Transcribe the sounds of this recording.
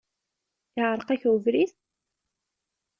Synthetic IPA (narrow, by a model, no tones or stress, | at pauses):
ɪʁəɾˤqæçəvɾiθ